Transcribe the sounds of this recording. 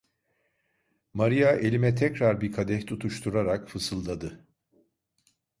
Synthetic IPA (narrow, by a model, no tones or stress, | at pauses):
maɾijaʔe̞lʲimɛt̪ʰɛcɾaɾbikʰad̪ɛçt̪ʰut̪ʰuʃt̪ʰuɾaɾakfɯsɯlˠd̪ad̪ɯ